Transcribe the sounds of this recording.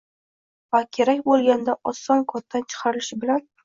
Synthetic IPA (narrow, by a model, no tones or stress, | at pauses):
vakʲʰe̞ɾakʲbolˠɡʲand̪aʔɒsːɒnkʰɒt̪ʰːant͡ʃʰɨ̥qʰɑɾɪlɪʃɪbɪlan